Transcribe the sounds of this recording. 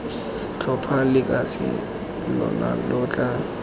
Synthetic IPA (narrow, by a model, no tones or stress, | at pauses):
t͡ɬʰɔpʰalɪkʼasɪ̰ | lɔ̰nalʊːt͡ɬʼa